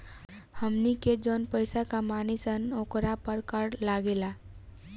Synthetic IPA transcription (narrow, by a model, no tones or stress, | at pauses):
həmniked͡ʒonpəjsakamanisənokɾapəɾkəɾlaɡela